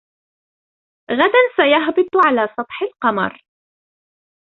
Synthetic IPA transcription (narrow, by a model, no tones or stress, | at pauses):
ɣad̪ansajaɦbɨt̪ˤʕalaːsˤɑt̪ˤħɪlqɑmɑ̰ɾˤ